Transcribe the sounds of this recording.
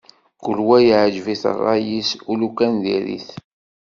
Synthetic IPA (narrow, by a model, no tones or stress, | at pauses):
kulwæjʕʒviθə̰rˤːɑjisulukænðḭɾḭθ